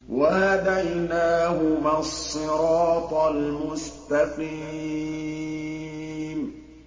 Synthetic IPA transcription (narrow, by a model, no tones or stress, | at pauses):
wahad̪ajnaːhʊmasːɨɾɑɑːt̪ˤlmʊst̪aqiː | m